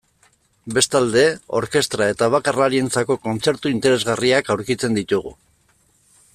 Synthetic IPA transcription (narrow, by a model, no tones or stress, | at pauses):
be̞st̪ald̪e̞o̞ɾke̞st̪ɾae̞t̪aβ̞akaraɾie̞nt͡sako̞ko̞nt͡se̞ɾt̪uint̪e̞ɾe̞zɣariakawɾkit͡se̞nd̪it̪uɣ̞ṵ